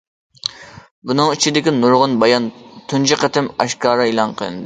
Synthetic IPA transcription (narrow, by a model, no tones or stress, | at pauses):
bunɨŋit͡ʃʰid̪ɪkʲinuɾʁʊnbɑjɑnt̪ʰunt͡ʃʰiqɛt̪ɪmɑʃkɑːɾɑilˠɑnqʰəlˠɨ̰nd̪ɪ